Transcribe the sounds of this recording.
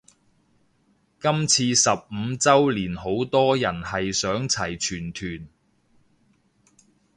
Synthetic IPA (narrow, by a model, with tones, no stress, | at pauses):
kɐ˥mt͡sʰiː˧sɐ˨p̚m̩˨˧t͡sɐ˥wliː˨˩nɦo˨˥wt̪ɔː˥jɐ˨˩nhɐ˨jsœː˨˥ŋt͡sʰɐ˨˩jt͡ʃʰyː˨˩nt̪ʰyː˨˩n